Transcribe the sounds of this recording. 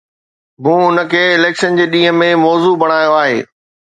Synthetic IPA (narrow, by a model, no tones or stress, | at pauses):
mũːʊnə̆kʰeːɪleːkʃənd͡ʑeːɗĩːɦə̆mẽmɔːzubɐɽ̃aːjoaːɦḛː